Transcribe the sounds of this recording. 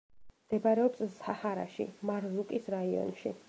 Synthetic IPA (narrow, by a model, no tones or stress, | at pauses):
md̪̥ɛbaɾɛɔpssahaɾa̰ʃḭmaɾzukʼisɾaiɔ̰nʃḭ